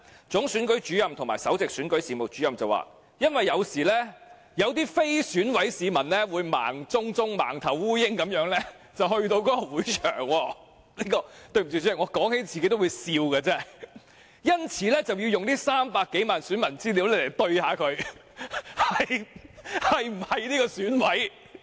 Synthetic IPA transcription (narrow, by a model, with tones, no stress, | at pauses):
t͡sʊ˨˥ŋsyː˨˥nkɵ˨˥ɥt͡ʃyː˨˥jɐ˨mt̪ʰŋmaː˨˩sɐ˨˥wt͡sɪ˨k̚syː˨˥nkɵ˨˥ɥsiː˨˧mo˨˩t͡ʃyː˨˥jɐ˨mt͡sɐ˨wa̰ː˨ | jɐ˥nwɐ˨jːɐ˨˧wsiː˨˩lɛː˥ | jɐ˨˧wt̪̬iː˥fe˥jsyː˨˥nwɐ˨˥jsiː˨˧mɐ˨˩nlɛː˥wuː˨˧jma̰ː˨˩ŋt͡sʊ˥ŋt͡sʊ˥ŋma̰ː˨˩ŋt̪ʰɐ˨˩wwuː˥jɪ˥ŋkɐ˨˧˥mjœː˨˥ŋlɛː˥ | t͡sɐ˨whɵ˧ɥt̪o˧wkɔː˨˦˥kɔ˧wuː˨˥jt͡ʃʰœ̰ː˨˩ŋwɔː˧ | niː˥kɔː˧t̪ɵ˧ɥm̩˨˩i˧˥y˨˥ɐ˨˩ŋɔː˨˧kɔː˨˥ŋhe˨˥jt͡si˨ke˥t̪o˥wuː˨˧jsiː˧wkɐː˧t͡sɛː˥ | jɐ˥nt͡sʰiː˨˥lɛː˥t͡sɐ˨wji˧wjʊ˨ŋt̪iː˥saː˥mpaː˧kːe˨˥jmaː˨nsyː˨˥nmɐ˨˩nt͡siː˥li˨˥wle˨˧jle˨˩jt̪ɵ˧ɥhaː˨˧kʰɵ˨˧ɥ | hɐ˨j | hɐ˨jm̩˨˩hɐ˨jniː˥kɔ˧syː˨˥nwɐ˨˥j